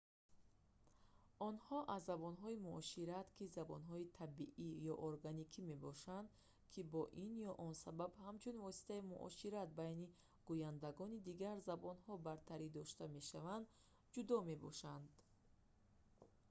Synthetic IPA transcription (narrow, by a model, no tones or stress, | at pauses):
ɔnhɔʔazːabɔnɦɔimuʔɔʃiɾat̪kʰizabɔ̰nɦɔit̪ʰabiʔijɔʔoɾɡanikʰime̞bɔʃand̪ | kʰibɔʔinjɔʔɔnsababhamt͡ʃʰunvɔsi̥t̪ʰaimṵʔɔ̰ʃiɾat̪̚bajni | ɡ̥ujand̪aɡɔnid̪iɡaɾzabɔnhɔbaɾt̪ʰaɾid̪ɔʃt̪ame̞ʃavand̪ | d͡ʒud̪ɔme̞bɔ̰ʃand̪